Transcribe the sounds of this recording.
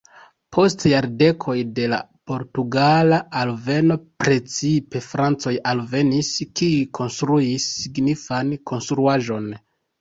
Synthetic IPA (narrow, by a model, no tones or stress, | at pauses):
pʰo̞stjaɾde̞kʰo̞jde̞la̰po̞ɾtuɡalaʔalve̞no̞pɾe̞t͡sipe̞fɾant͡so̞jalve̞niskiukʰo̞nstɾuisːiɡnifankʰo̞nstɾuaʒo̞n